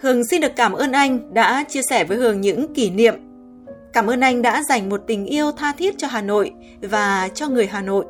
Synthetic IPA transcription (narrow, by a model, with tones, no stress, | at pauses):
hɨ˨˩əŋsi˧nɗɨ˨˩əkaː˧˩mʔəː˧nʔa˧jŋ̟ɗa̰ː˧˥t͡ɕi˧əsɛ˧˩vəː˨˦jhɨ˨˩əŋɲɨ̰˧˥ŋki˧˩nḭ˧˨əm | kaː˧˩mʔəː˧nʔa˧jŋ̟ɗa̰ː˧˥za˨˩jŋ̟mo˨˩t̚t̪ï˨˩ŋ̟ʔi˧əwt̪ʰaː˧t̪ʰi˦˥ət̚t͡ɕɔ˧ɦaː˨˩no̰˧˨j | vaː˨˩t͡ɕɔ˧ŋɨ˨˩əjɦaː˨˩no̰˧˨jʔ